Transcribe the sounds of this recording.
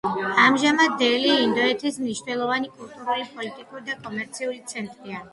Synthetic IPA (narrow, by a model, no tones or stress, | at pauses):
amʒamad̪ːɛliːnd̪ɔɛt̪ʰismniʃnɛlˠɔvanikʼulˠt̪ʼuɾulipʼɔlit̪ʼikʼuɾid̪akʼɔmɛɾt̪sʰiulit̪sʰɛnt̪ʼɾia